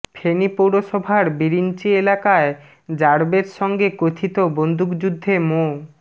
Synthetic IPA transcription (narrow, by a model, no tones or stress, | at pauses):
pʰenipowɽoʃɔbʱaɾbiɾint͡ɕielakae | d͡ʑaɾbeɾʃɔŋɡekot̪ʰit̪obond̪ʱukd͡ʑud̪ʱːemo